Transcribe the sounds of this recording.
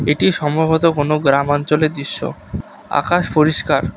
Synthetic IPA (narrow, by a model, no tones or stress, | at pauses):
eʈiʃɔmobʱot̪okonoɡɾamant͡ɕoled̪iʃːo̰ | a̰kaʃpoɾiʃkaɾ